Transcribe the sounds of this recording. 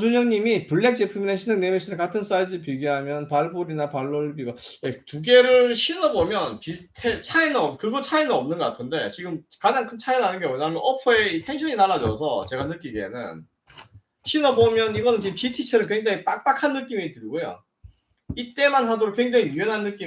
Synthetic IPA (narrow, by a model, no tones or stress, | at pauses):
d͡ʑuɲʌŋɲimipuɭːe̞k̚t͡ɕ͈epʰɯmineɕʰinsʰeŋne̞meɕʰinɯɭkatʰɯns͈aid͡ʑɯpiɡiɦamjʌnpaɭboɾinapaɭːoɭbiɡajetuɡe̞ɾɯɭɕʰinʌbomjʌnpistʰet͡ɕʰainɯnʌmkɯɡʌt͡ɕʰainɯnʌmnɯnɡʌk͈atʰɯnde̞t͡ɕiɡɯmkad͡ʑaŋkʰɯnt͡ɕʰainɯɭɦanɯnɡewenaɦamʌnʌpʰʌeitʰe̞ŋɕʰʌɲinaɭːad͡ʑʌ̰sʰʌt͡ɕe̞ɡanɯk͈iɡe̞̰nɯ̰n | ɕʰinʌbomjʌniɡʌnɯnt͡ɕiɯmpitʰit͡ɕʰeɾɯɭkwe̞ŋd͡ʑaŋip͈ak̚p͈akʰanːɯk͈imitɯɾiɡojo̰ | it͈e̞manɦadoɾokweŋd͡ʑaŋiyenɦanːɯk͈i